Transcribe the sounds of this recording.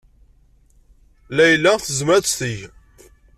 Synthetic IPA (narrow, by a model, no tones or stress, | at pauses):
læjəlːæθəzmæst̪iʝ